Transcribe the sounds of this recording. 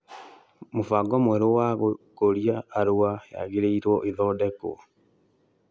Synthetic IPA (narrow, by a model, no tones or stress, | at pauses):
mofaɡɔmwɛɾowaɣokoɾiaːɾoaja̰ɣeɾeiɾwɔʔeðɔdɛko̰